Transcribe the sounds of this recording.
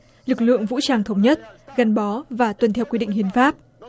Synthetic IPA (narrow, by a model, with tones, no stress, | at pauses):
lɨ˨˩k̚lɨ̰˧˨əŋvṵ˧˥t͡ɕaː˧˩ŋt̪ʰə˨˦wŋ͡mɲə˦˥t̚ɣa˨˩nɓɔ˨˦vaː˨˩t̪wə˨˩nt̪ʰɛ˧˩wkwi˧ɗḭ˧˨ŋhi˧˩ənfaː˦˥p̚